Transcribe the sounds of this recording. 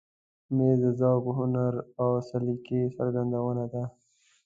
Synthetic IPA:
meːzzawbɦʊnaɾawsalikesə̰ɾɡand̪awənad̪a

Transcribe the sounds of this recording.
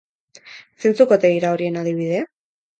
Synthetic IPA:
se̞nt͡sukot̪e̞ɣiɾaoɾie̞naðiβ̞ið̞e̞

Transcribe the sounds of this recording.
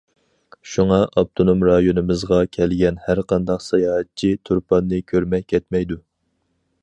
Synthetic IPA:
ʃuŋɑʔɑb̚t̪ʰonomɾɑjonɨmɨzʁɑkʲʰɛlɡʲɛnhæɾqʰɑnd̪ɑqsɑjɑːɦɛt̪̚t͡ʃʰit̪ʰuɾpʰɑnːɨkʲʰøɾmɛkʲʰːɛt̪mɛjd̪u

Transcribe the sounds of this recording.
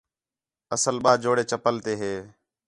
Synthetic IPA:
əsəlɓaːd͡ʒoːɽeːt͡ʃəpəlt̪eːɦeː

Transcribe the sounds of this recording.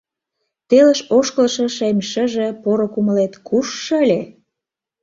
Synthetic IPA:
t̪elə̆ʃoʃkəlʃə̆ʃemʲʃə̆ʒĕpoɾŏkuməlet̪kʰuʃ̆ːəlʲe

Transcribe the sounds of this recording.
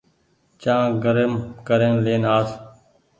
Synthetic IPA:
t͡ʃãːɡəɾəmkəɾeːnleːnaːs

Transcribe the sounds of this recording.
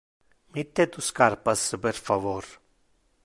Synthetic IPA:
mit̪ːet̪uskaɾpasəpeɾfavoɾ

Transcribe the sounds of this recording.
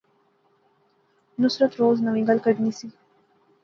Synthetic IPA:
nusɾət̪ɾoːznəʋĩŋɡəlkəɖnisi

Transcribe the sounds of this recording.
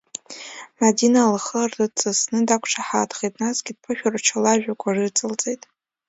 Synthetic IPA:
madinalχərdɨt͡sʼɨsnɨdakʷʰʈ͡ʂʰaħadχejtʼnazɡʲid̚pʰɨʃᶣart͡ʃʰalaʒᶣakʷʰʼarɨt͡sʼɨlt͡sʼejtʼ

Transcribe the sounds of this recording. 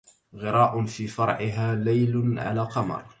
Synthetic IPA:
ɣɪɾaːʔʊfiːfɑɾˤʕɪɦaːlajlʕa̰laːqɑmɑ̰ɾˤ

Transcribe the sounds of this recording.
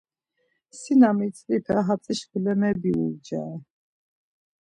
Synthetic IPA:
sinamit̪t͡s̪ʼlipʰɛɦat͡s̪ʼiʃkulɛmɛbiṵɾd͡ʒa̰ɛ

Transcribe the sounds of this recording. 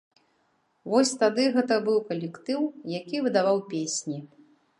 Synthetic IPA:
vɔsʲt̪ad̪ɨɣɛt̪ɐbɨwkɐlʲɛkt̪ɨwjakʲivɨd̪avawpʲesʲnʲi

